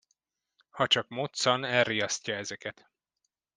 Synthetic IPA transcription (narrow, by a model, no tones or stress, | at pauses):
hɒt͡ʃɒkmot̪sɒnɛrrːijɒscɒɛzɛkɛt̪